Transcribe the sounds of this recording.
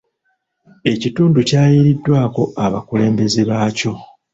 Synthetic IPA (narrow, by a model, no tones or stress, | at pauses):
e̞cituːnducaːjiɾidːwaːko̞aβa̰kule̞ːmbe̞ziβaːco̞